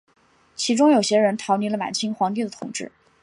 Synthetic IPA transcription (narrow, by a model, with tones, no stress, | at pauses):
t͡ɕʰi˧˥ʈ͡ʂʊ˥ŋjo˨˩ʊɕjɛ˥ɻə˧˥nt̪ʰɑ˧˥ʊni˧˥lə˧ma̰˨˩nt͡ɕʰi˥ŋxwɑ˧˥ŋt̪̬i˥˩d̪ə˩t̪ʰʊ̰˨˩ŋʈ͡ʂɻ̩˥˩